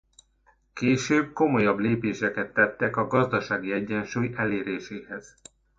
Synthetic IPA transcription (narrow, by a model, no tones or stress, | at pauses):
keːʃøːb̚ko̞mo̞jɒbleːpeːʃɛkɛt̪ːɛt̪ːɛkɒɡɒzd̪ɒʃaːɡiɛɟːɛnʃuːjɛleːɾeːʃeːhɛz̥